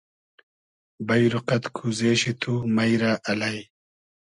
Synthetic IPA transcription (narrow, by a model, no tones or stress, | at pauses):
bɐjɾuqɐt̪kʰuzeːɕit̪ʰumɐjɾaːʔɐlɐj